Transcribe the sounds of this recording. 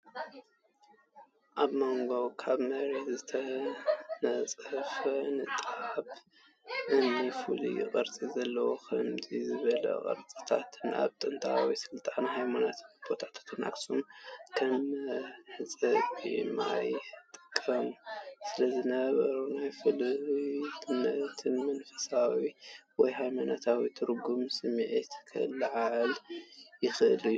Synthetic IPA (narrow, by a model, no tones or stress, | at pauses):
ʔaβmo̞ŋɡo̞kʰaβmɐɾezɨt̪ʰɐ | nɐt͡sʼfɐnɨt̪ʼaʕβ | ʔɨnːifulḭjɪ̰χʼɐɾt͡sʼizɐlːɐwokʰɐmzizɨβɐlɐ̰qʼɐ̰ɾt͡sʼi̥t̪ʰat̪ʰɨna̰βt̪ʼɨnt̪ʰawisɨlt̪ʼanhajmanat̪ʰb̥ot̪ʰat̪ʰḁt̪ʰɨna̰kʼsumkʰɐm | ħɨt͡sʼɐima̰jt̪ʼɨ̥kʼːɐmusɨlɐzɨnɐβɐɾunajfɨlitʰɨmɐt̪ʰɨnmɐnfɐ̥sawiwɔjhajmanat̪ʰawit̪ʰɨɾɡumsɨmʕet̪kʰɨɨlːʕaʕɨljɪxɨʔɨ̰liu